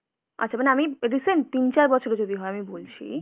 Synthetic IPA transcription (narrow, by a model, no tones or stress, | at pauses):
a̰tːɕʰamaneamiɾiseɳʈ̚t̪int͡ɕaɾbɔt͡ɕʰoɾed͡ʑod̪iɦɔeamibolt͡ɕʰḭ